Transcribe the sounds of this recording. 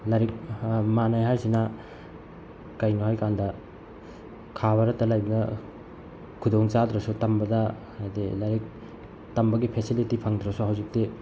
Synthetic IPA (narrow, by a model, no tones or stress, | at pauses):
laɾik̚manajɦajsinɐ | kɐjnuɦajkandɐ | kʰaβɐɾɐtɐlajbɐnɐ | kʰudoŋt͡ʃad̪ɾɐsutɐmbɐdɐ | ajdḭlaɾik̚ | tɐmbɐɡipʰesilitipʰɐŋdɾɐsuɦawzik̚ti